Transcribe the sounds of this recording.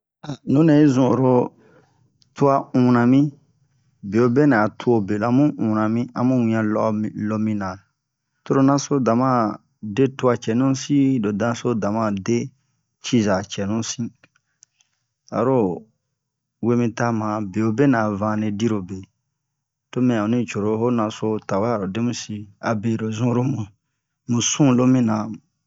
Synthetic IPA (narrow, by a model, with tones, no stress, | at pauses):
a˨nũ˨˦ne˨i˦zũ˨o˨ɾo˧ | tu˦a˧ũ˨nã˨mĩ˦ | be˨o˨˧be˦nã˨tʰu˦o˧be˨lã˨˦mũ˦ũ˨nã˨mĩ˦a̰˧mũ˦wĩ˧˨ã˧lɔ˦˨lo˧mĩ˧nã˨ | to˧ɾo˨nã˦so˦dã˨mã˦˨ | de˦tu˧˦a˧t͡ʃɛ˨nũ˦sĩ˦do˨dã˧˦so˦dã˨mã˦˨de˦ | t͡ʃi˦za˨t͡ʃɛ˨nũ˦sĩ˦ | a̰˨ɾo˦ | we˦mĩ˧ta˦mã˨be˨o˨be˦nã˨vã˧˦ne˧di˦ɾo˨be˨ | to˦mɛ̃˨ã˨ũ˨nĩ˦t͡ʃo˨ɾo˨˧ho˦nã˨so˧ta˨wa˦a˨ɾo˨de˦mũ˦si˧a̰˨be˨ɾo˨zũ˦ɾo˦mũ˨ | mũ˨sũ˦lo˦mĩ˦nã˨